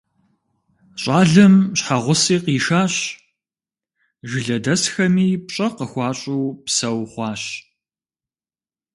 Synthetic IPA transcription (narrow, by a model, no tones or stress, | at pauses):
ɕʼaːɮɐmɕħaʁʷʊsiːqiːʃaːɕ | ʒɪɮɐdɐsxɐmiːpɕʼɐqəxʷɑːɕʼuːpsɐwχʷɑːɕ